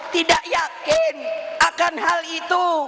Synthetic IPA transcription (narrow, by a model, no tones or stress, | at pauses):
t̪idaʔjakɪnʔakanɦalit̪u